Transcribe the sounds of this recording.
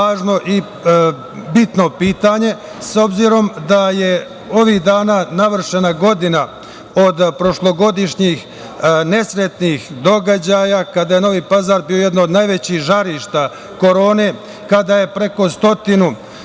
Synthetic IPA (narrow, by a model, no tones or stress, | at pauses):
aːʒno̞ʔi | bit̪no̞piːt̪aɲe̞ | so̞bziɾo̞md̪aje̞ | o̞ʋiːɣd̪aːnaːnaʋr̩ʃenaɡo̞d̪ina | o̞d̪pɾo̞ʃlˠo̞ɡo̞d̪iʃɲix | ne̞sɾet̪nixd̪o̞ɡad͡ʑajakad̪aje̞no̞ʋiːpazaːɾbijo̞jed̪nood̪najʋet͡ɕixʒaɾiʃt̪a | ko̞ɾo̞ːne̞ː | kad̪aje̞pɾe̞ko̞st̪o̞t̪inu